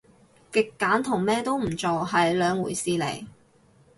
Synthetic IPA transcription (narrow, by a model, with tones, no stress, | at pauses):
kɪ˨kːaː˨˥nt̪ʰʊ˨˩ŋmɛː˥t̪o˥wm̩˨˩t͡so˨wɦɐ˨jlœː˨˧ŋwṵː˨˩jsiː˧lḛ˨˩j